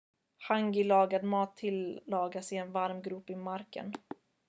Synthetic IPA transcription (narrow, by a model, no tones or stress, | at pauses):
haŋɡɪlɑːɡad̪mɑːt̪ʰːɪlːɑːɡasɪɛnvaɾmɡɾuːpɪmaɾkə̰n